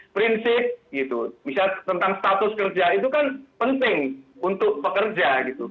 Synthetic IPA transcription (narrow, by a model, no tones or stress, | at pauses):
pɾinsɪp̚ɡit̪ubisat̪ənt̪aŋst̪at̪ʊskərd͡ʒait̪̬ukanpənt̪ɪŋunt̪ʊk̚pəkərd͡ʒaɡit̪u